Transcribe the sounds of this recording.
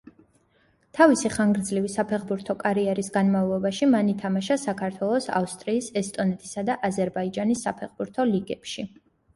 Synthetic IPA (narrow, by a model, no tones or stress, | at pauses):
t̪ʰavisiχaŋɡɾd̪zlivisapʰɛχbuɾt̪ʰɔkʼaɾiɛɾisɡanmavlˠɔbaʃimanit̪ʰamaʃasakʰaɾt̪ʰwɛlˠɔsa̰fst̪ʼɾiːsɛst̪ʼɔnɛt̪ʰi̥sad̪aʔazɛɾbaid͡ʒanisːapʰɛχbuɾt̪ʰɔliɡɛpʃi